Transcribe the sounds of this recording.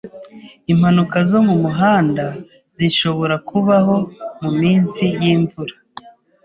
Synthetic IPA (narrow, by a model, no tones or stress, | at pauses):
im̥hanukazo̞mumuɦaːnda | ziʃo̞βo̞ɾakuβaɦo̞mumiːnsijiːɱvuɾa